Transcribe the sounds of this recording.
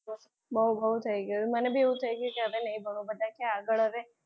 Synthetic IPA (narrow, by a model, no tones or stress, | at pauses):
bəɦubəɦut̪ʰəiɡəjumənebʱieɦũt̪ʰəiɡjukeɦəʋenɐibʱəɭubəd̪ãkaaɡəɭəʋe